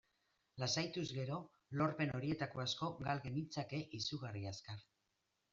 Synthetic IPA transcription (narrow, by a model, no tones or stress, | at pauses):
lasajt̪uzɣe̞ɾo̞ | lo̞ɾpe̞no̞ɾie̞t̪ako̞asko̞ɡalɣe̞mit͡sake̞ʔisuɣariaskaɾ